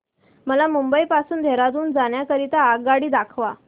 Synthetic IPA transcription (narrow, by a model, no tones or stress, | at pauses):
məlamumbəipasuːnd̪ʱeɾat̪̬uːnd͡zaɳjakəɾit̪aːɡ̚ɡaɽiːd̪akʰʋa